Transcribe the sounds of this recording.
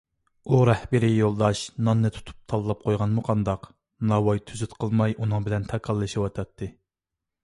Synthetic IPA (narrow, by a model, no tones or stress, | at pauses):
uɾɛhbɪɾijolˠd̪ɑʃnɑnːɨt̪ʰu̥t̪ʰu̥p̚t̪ʰɑlˠɨlˠɑp̚qʰojʁɑnmuqʰɑnd̪ɑq | nɑwɑjt̪ʰyzyt̪qʰəlˠmɑjʔunɨŋbɪlɛnt̪ʰɑkʰɑlˠːɨʃiwɑt̪ʰɑt̪ʰːɨ